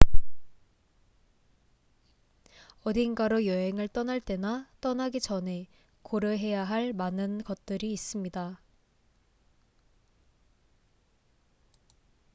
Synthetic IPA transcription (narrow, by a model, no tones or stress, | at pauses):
ʌdinɡaɾojʌɦe̞ŋɯɭt͈ʌnaɭt͈e̞nat͈ʌnaɡit͡ɕʌne̞ | koɾjoɦe̞jaɦaɭmanɯnɡʌt̚t͈ɯɾiːs͈ɯmɲida